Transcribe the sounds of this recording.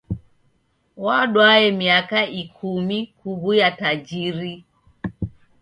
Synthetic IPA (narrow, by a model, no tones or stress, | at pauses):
waɗwaɛmiakaikʰumikuɣujatad͡ʒiɾi